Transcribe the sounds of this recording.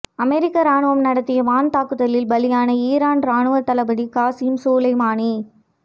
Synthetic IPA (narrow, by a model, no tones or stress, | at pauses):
ɐmɛɾɪkːɐɾaːɳɯʋɐmnɐɽɐt̪ːɪjɐʋaːnt̪aːkːɯðɐlɪlbɐlɪjaːnɐiːɾaːnɾaːɳɯʋɐɾt̪ɐlɐbɐɽikaːsɪmsoːlɐɪmaːni